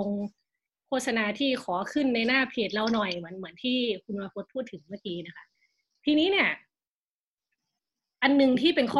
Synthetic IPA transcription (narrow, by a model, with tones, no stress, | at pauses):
o˧ŋ | kʰoː˥˩t̪̚sa˧naː˧t̪ʰiː˥˩kʰɔː˩˦kʰɯ˥˩nːa˧jnaː˥˩pʰeː˨˩t̪̚la˧wnɔ˨˩jmɯ˩˦ənmɯ˩˦ənt̪ʰiː˥˩kʰu˧nwa˧pʰo˧˥t̪̚pʰu˥˩t̪ʰːɯ˩˦ŋmaː˥˩kiː˧na˦˥kʰa˧˥ʔ | t̪ʰiː˧niː˦˥ni˥˩ɐ | ʔa˧nːɯ˨˧ŋt̪ʰiː˥˩pe˧nkʰɔː˥˩